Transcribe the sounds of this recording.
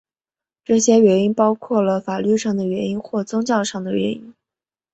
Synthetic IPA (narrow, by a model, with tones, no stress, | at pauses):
ʈ͡ʂɤ˥˩ɕjɛ˥ɥɛ˧˥ni˥npɑ˥ʊkʰwɔ˥˩lə˩fa˨˩ly˥˧ʂɑ˥˩ŋd̪ə˩ɥɛ˧˥ni˥nxwɔ˥˩t͡sʊ˥ŋt͡ɕjɑ˥˧ʊʂɑ˥˩ŋd̪ə˩ɥɛ̰˧˥ni˥n